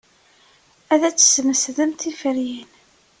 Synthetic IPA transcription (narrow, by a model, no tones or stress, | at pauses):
æðæt͡sːə̥sməsðəmt̪ifəɾjin